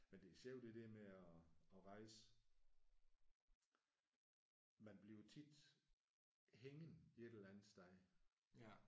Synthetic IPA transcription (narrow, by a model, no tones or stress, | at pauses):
mend̥e̝ɕeʊ̰d̥ed̥eɐmeɒɒ̽ʁɑ̈ɪsə | mænb̥liʊt͡sʰid̥ | heŋən̩ie̝d̥elænð̩ˠsd̥ɑɪ